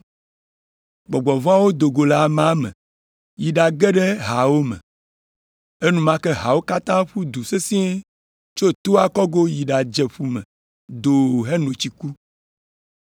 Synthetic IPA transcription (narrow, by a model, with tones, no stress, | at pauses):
ɡ͡bɔ˨ɡ͡bɔ˨vɔ̃˦a˦wo˦d̪o˨ɡo˨la˦˨mã˨˦mɛ̰̃˨ | ji˨ɖa˨ɡɛ˦ɖɛ˦ɦa˨wo˦mɛ̰̃˨ | e˦nũ˦mã˦kɛ˦ɦa˨wo˦ka˦t̪ã˦ɸu˦d̪u˨se˦sĩ˦e˦ | t͡ʃo˦t̪o˦a˦kɔ˦ɡo˦ji˨ɖa˨d͡ʒɛ˨ɸu˦mɛ̃˨ | d̪o˨ɦɛ˦nõ˨t͡ɕi˨ku˦